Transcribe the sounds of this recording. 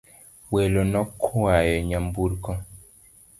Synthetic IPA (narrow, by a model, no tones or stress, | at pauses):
welonɔkʰoajɛɲambuɾkɔ